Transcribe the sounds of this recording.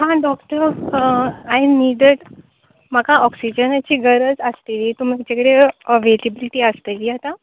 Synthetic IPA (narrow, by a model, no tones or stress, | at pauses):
ɦãɖɔkʈəɾ | ajniɖeɽ | m̤akaʔɔksid͡ʑənat͡ɕiːɡəɾəd͡zəst̪eliːt̪um̤id͡ʑekɽeəʋelibliʈiːəst̪eliːɦat̪a